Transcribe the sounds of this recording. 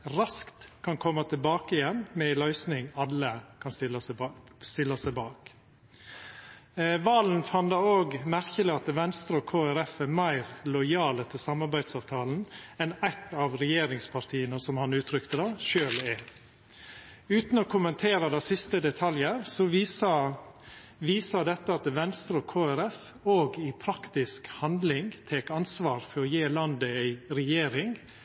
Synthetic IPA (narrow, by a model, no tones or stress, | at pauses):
ɾɑskt̪kʰɑnkʰɔmːət̪ʰɪlbɑːkəɪjɛnːmɛɪlœʏsnɪŋɑlːəkʰɑnst̪ɪl | st̪ɪlːɑsæɪbɑːk | ʋɑːln̩fɑnd̪ɑoːɡmæɾçəlɪɑt̪ʋɛnst̪ɾəɔkʰoːæɾɛfæɾmæɪɾlɔʏjɑːlət̪ʰɪlsɑmɑɾbæɪd̪sɑːʋt̪ʰɑːln̩ɛnæɪt̪ːɑʋɾɛjeːɾɪŋspʰɑɾt̪ʰiːənəsɔmhɑnʉːt̪ʰɾʏkt̪əd̪ɑʃøːlɛ | ʉːt̪n̩ɔkʰʊmənt̪ʰeːɾəd̪æsɪst̪əd̪ɛt̪ʰɑljəɾsɔ | ʋiːsɑd̪ɛt̪ːəɑt̪ʋɛnst̪ɾɔkʰoːæɾɛf | oːɡɪpʰɾɑkt̪ɪskhɑnd̪lɪŋt̪ʰeːkɑnsʋɑːɾfɔɾɔjeːlɑnd̪əæɪɾɛjeːɾɪŋ